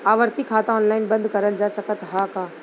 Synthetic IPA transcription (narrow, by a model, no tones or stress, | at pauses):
aːʋəɾt̪ikʰːaːt̪ãɔːnlaːɪnbɐ̃nd̪kɐɾəld͡ʒaːsɐkət̪ɦaːkaː